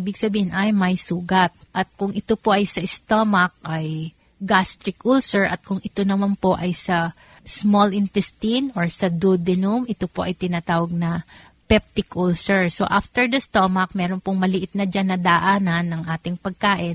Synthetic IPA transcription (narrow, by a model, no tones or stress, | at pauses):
ibɪɡsɐbiːhɪnʔajmːɐjsuːɡɐt̪̚ʔɐt̪̚kʊŋʔɪt̪o̞po̞ʔɐjsɐɪst̪omɐk̚ʔɐj | ɡast̪ɾɪkʔulsɛɹʔɐt̪̚kʊŋɪt̪o̞nɐmanpo̞ʔɐjsɐ | smolʔɪnt̪ɛst̪inʔoɹsɐd̪ud̪ɪnumʔɪt̪o̞po̞ʔɐjt̪ɪnat̪aːwɐɡ̚nɐ | pɛp̚t̪ɪkʔulsɛɹso̰ʔaft̪ɛɹd̪ɐst̪omɐk̚mɛːɾo̞npoŋmɐlɪʔɪt̪̚nɐd͡ʒanːɐd̪ɐʔaːnɐnːɐŋʔaːt̪ɪŋpɐɡ̚kaːʔɪn